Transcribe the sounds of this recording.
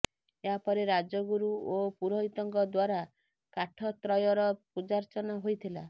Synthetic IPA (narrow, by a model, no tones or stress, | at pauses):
eɦapɔɾeɾad͡ʒɔɡuɾuopuɾɔɦit̪ɔŋkɔd̪waɾa | kaʈʰɔt̪ɾɔjɔɾɔpud͡ʒaɾt͡ʃɔnɔɦojt̪ʰila